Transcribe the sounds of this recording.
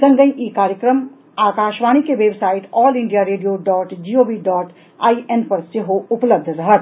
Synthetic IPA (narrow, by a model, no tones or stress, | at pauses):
sɐ̃ŋɡəiʔikaːɾjəkɾəm | aːkaːʃʋaːɽ̃ikeʋeːbsaːɪʈɔːlɪ̃ɳɖijaɾeːɖijoɖɔːʈd͡ʒiːoːbiɖɔːʈ | aːiʔenpɐɾseɦoʊpləb̚d̪ʱɾɐɦət̪